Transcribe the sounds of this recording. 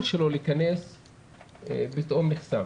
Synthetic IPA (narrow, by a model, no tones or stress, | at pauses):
tʃelo̞liːkane̞s | bet̪ʔomliχsa